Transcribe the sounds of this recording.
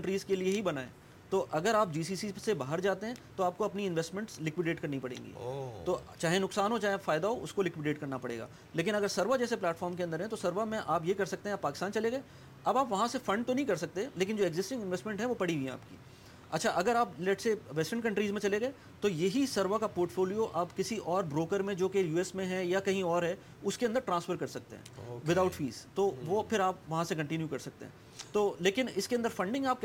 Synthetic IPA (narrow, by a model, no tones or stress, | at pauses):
kɐ̃ɳʈɾiːzkelieɦibɐnaːḛ̃ː | t̪oːʔɐɡəɾaːp̚d͡ʒiːsiːsisebaːɦəɾd͡ʒaːt̪eɦɛ̃t̪oaːp̚koɐpniɪ̃nʋɛsʈmɛ̃ɳʈslɪkʋɪɖeːʈkɐɾnipɐɽḛ̃ːŋɡḭːt̪oːt͡ʃaːɦenʊksaːnɦot͡ʃaːɦẽfaːɪd̪aɦoʔʊskolɪkʋɪɖeːʈkɐɾnapɐɽḛːɡa̰ː | leːk̬ɪnɐɡəɾsɐɾʋad͡ʒɛːseplɛːʈfɔːɾmkeɐ̃nd̪əɾɦɛ̃t̪osɐɾʋamẽʔaːpjekɐɾsɐk̚t̪ẽɦɛ̃aːpːaːkɪst̪aːnt͡ʃɐleɡɐeː | ɐbaːpʋɐɦãsefɐ̃ɳɖ̚t̪onɐɦĩkɐɾsɐk̚t̪eleːk̬ɪ̃nd͡ʒoːeɡzɪsʈɪ̃ŋɡɪnʋɛːsʈmɛ̃ɳʈɦɛ̃ʋopɐɽ̤iɡiɛ̃a̰ːpkḭː | ɐ̰tːʃʰaʔɐɡəɾaːplɛʈseːʋɛsʈəɾnkɐ̃ɳʈɾiːzmẽt͡ʃɐleɡɐe | t̪ojɐɦisɐɾʋakapoːɾʈfoːlijoʔaːpkɪsiʔɔːɾbɾoːkəɾmẽd͡ʒoːkejuːɛsmẽɦɛjakɐɦĩɔːɾɦɛ | ʊskeɐnd̪əɾʈɾãːnsfəɾkɐɾsɐk̚t̪ḛɦɛ̰̃ʋɪd̪aʊʈfḭːz̥t̪oʋopʰɪɾaːpʋɐɦãsekɐ̃ɳʈɪnjukɐɾsɐk̚t̪ḛɦɛ̰̃ | t̪oːleːkɪnɪskeɐ̃nd̪əɾfɐ̃ɳɖɪ̃ŋɡaːp̚k